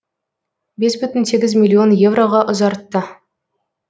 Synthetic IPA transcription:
be̞sbʏt̪ɪnse̞ɡʲɪzmʲilʲːˠio̞nje̞vro̞ʁɑʔʊzɑɾt̪ːə

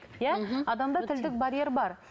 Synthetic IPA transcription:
jæɑd̪ɑmd̪ɑt̪ʰɪld̪ɪk̚baɾʲijeɾbɑɾ

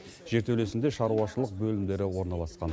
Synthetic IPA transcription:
ʒ̥e̞ɾt̪ewle̞sɪnd̪eʃɑɾuɑʃəlˠəq̚bɵlɪmd̪e̞ɾɪwo̞ɾnɑlˠɑsqɑn

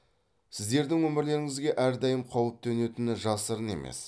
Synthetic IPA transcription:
sɪzd̪e̞ɾd̪ɪŋwɵmɪɾle̞ɾɪŋɪzɡʲe̞ʔæɾd̪ɑjəmqʰowəp̚t̪ʰɵne̞t̪ɪnɪʒɑsəɾəne̞̰mḛs

